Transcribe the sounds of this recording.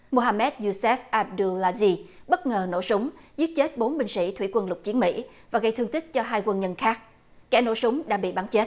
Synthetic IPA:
mo˨˩ɦaː˧mɛ˦˥t̚zu˧sɛ˦˥f̚ʔaː˧p̚ɗu˧laː˧zi˧ɓə˦˥t̚ŋəː˨˩no̰˧˥sʊ˨˦ŋ͡mzi˦˥ət̚t͡ɕe˦˥t̚ɓo˨˦nɓï˧˩ŋsḭ˧˥t̪ʰwi˧˩kwə˧nlʊ˨˩k͡p̚t͡ɕi˨˦ənmḭ˧˥ | vaː˨˩ɣə˧jt̪ɨ˧əŋt̪ʰi˦˥k̚t͡ɕɔ˧ɦaː˧jkwə˧nɲə˧nxaː˦˥k̚ | kɛ̰˧˩no̰˧˥sʊ˨˦ŋ͡mɗa̰˧˥ɓḭ˧˨ɓaː˨˦nt͡ɕe˦˥t̚

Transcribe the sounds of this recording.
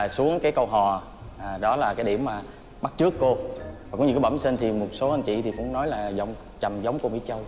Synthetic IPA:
su˨˦əŋkaː˨˦jkə˧wɦɔ˨˩˨ | ɗɔ˨˦laː˨˩kaː˨˦jɗi˧˩əmːaː˨˩ | ɓa˦˥t̚t͡ɕɨ˦˥əkːo˧va˨˩kʊ̰˧˦ɲ˧˩kːaː˨˦ɓə˧˩msi˧nt̪ʰi˨˩mo˨˩t̚so˨˦ʔə˧nt͡ɕḭ˧˨t̪ʰi˨˩kʊ̰˧˥ŋ͡mnɔ˨˦jlaː˨˩zə˨˦wŋ͡m | t͡ɕa˨˩mzə˨˦wŋ͡mko˧mḭ˧˥t͡ɕə˧w

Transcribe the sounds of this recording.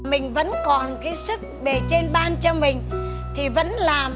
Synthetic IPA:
mï˨˩ŋ̟və̰˧˥nkɔ˨˩nkaː˨˦jsɨ˦˥k̚ɗe˧˩t͡ɕe˧nɓaː˧nt͡ɕɔ˧mï˨˩ŋ̟t̪ʰi˨˩və̰˧˥nlaː˨˩m

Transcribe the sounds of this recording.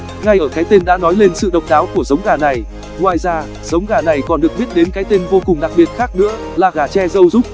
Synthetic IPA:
ŋa˧jʔəː˧˩kaː˨˦jt̪e˧nɗa̰ː˧˥nɔ˨˦jle˧nsɨ̰˧˨ɗə˨˩wk͡p̚ɗaː˨˦wku˧˩əzə˨˦wŋ͡mɣaː˧˩na˨˩j | ŋwaː˨˩jzaː˧ | zə˨˦wŋ͡mɣaː˧˩na˨˩jkɔ˨˩nɗɨ˨˩ək̚ɓi˦˥ət̚ɗe˨˦nkaː˨˦jt̪e˧nvo˧kʊ˨˩ŋ͡mɗa˨˩k̚ɓi˨˩ət̚xaː˦˥k̚nɨ̰˧˥ə | laː˨˩ɣaː˨˩t͡ɕɛ˧zə˧wzʊ˦˥k͡p̚

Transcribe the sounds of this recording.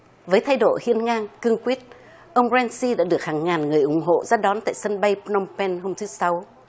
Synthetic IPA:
vəː˨˦jt̪ʰa˧jɗo̰˧˨hḭ˧˨ənŋaː˧ŋkɨ˧əŋkwi˦˥ət̚ | ʔə˧wŋ͡mzɛ˧nsi˧ɗa̰ː˧˥ɗɨ˨˩ək̚haː˨˩ŋŋaː˨˩nŋɨ˨˩əjʔʊ̰˨˧˩ŋ͡mɦo̰˧˨zaː˧ɗɔ˨˦nt̪a̰ː˧˨jsə˧nɓə˧jpnɔ˧mpɛ˧nɦo˧mt̪ʰɨ˨˦sa˨˦w

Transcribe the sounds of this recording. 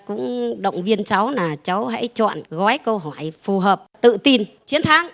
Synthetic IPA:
kʊ̰˧˥ŋ͡mɗə̰˧˨wŋ͡mvi˧ənt͡ɕa˨˦wnaː˨˩t͡ɕa˨˦wɦa̰˧˥jt͡ɕɔ̰˧˨nɣɔ˨˦jkə˧wɦɔ˧˩jfu˨˩ɦəː˨˩p̚t̪ɨ̰˧˨t̪i˧nt͡ɕi˨˦ənt̪ʰaː˨˦ŋ

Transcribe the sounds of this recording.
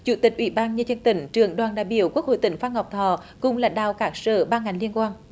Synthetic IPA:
t͡ɕṵ˧˩˦t̪ï˨˩k̟̚ʔwḭ˧˩˦ɓaː˧nɲə˧t͡ɕə˧ənt̪ï˧˩˦ŋ̟t͡ɕɨ˨˧˩əŋɗwaː˨˩nɗaː˧˨jɓi˧˨əwku˦˥k̚ho̰˧˨jt̪ï˧˩ŋ̟faː˧nha˨˩wk͡p̚t̪ʰɔ˧˩˦ | kʊ̰˧˨ŋ͡mlaː˨˩ɗaː˨˩wkaː˦˥k̚səː˧˩ɓaː˧ŋa˨˩jŋ̟li˧ənkwaː˧n

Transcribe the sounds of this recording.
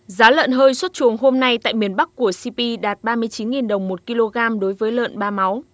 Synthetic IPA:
zaː˨˦lə̰ː˧˨nɦəː˧jswə˦˥t̚t͡ɕu˨˩əŋɦo˧mna˧jt̪a̰ː˧˨jmi˧˩ənɓa˦˥k̚ku˧˩əsi˧pi˧ɗaː˨˩t̚ɓaː˧mɨ˧əjt͡ɕi˨˦nŋi˨˩nɗə˨˩wŋ͡mmo˨˩t̚ki˧lo˧ɣaː˧mɗo˨˦jvəː˨˦jlə̰ː˧˨nɓaː˧ma˨˦w

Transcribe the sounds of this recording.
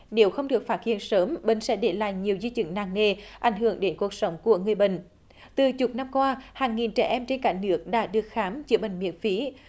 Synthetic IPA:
ne˨˦wxə˧wŋ͡mɗɨ˨˩ək̚faː˦˥t̚hḭ˧˨ənsəː˨˦mɓï˧˨ŋ̟sɛ̰˧˥ɗe˧˩la̰ː˧˨jɲi˨˩əwzi˧t͡ɕɨ̰˧˩ŋnaː˧˩ŋne˧˩ʔa˧˩jŋ̟ɦɨ˧˩əŋɗe˨˦nku˨˩ək̚sə˨˦wŋ͡mku˧˩əŋɨ˨˩əjɓḭ̈˧˨ŋ̟ | t̪ɨ˨˩t͡ɕʊ˨˩t̚na˧mkwaː˧haː˨˩ŋːi˨˩nt͡ɕɛ˧˩ʔɛ˧mt͡ɕe˧nkaː˧˩ŋnɨ˦˥ək̚ɗa̰ː˧˥ɗɨ˨˩ək̚xaː˨˦mt͡ɕɨ˧˦ɓï˧˨˩ŋ̟mḭ˧˥ənfi˨˦

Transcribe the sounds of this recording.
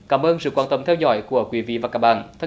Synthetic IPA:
kaː˧˩mʔəː˧nsɨ̰˧˨kwaː˧˩nt̪ə˨˩mt̪ʰɛ˧wzɔ̰˧˥˦jku˧˩əkwi˨˦vḭ˧˨vaː˨˩kaː˦˥k̚ɓa̰ː˧˨nt̪ʰə˧˦

